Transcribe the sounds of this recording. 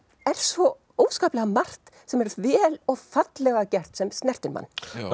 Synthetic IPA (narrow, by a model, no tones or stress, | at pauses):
ɛɾ̥svɔ | oːwskaːplɛɣamar̥t̪ | sɛmɛɾvɛːlɔɣfat̪lɛɣacɛr̥t̪sɛmstnɛr̥t̪ɪnma̰nː